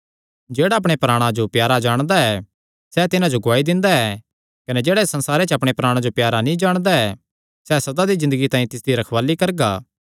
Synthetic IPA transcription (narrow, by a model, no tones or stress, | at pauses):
d͡ʒeːɽaɐp̬ɽ̃epɾaːɽ̃ãd͡ʒopjaːɾad͡ʒaːɽ̃d̪aɛː | sɛt̪ɪnãd͡ʒoɡʊaːid̪ɪ̃nd̪aɛ | kɐned͡ʒeːɽaesɐ̃nsaːɾet͡ʃəɐpɽ̃epɾaːɽ̃ãd͡ʒopjaːɾanĩd͡ʒaːɽ̃d̪aɛ | sɛsɐd̪ad̪izɪ̃nd̪əɡit̪ãːĩt̪ɪsd̪iɾɐkʰʋaːlikɐɾɡaː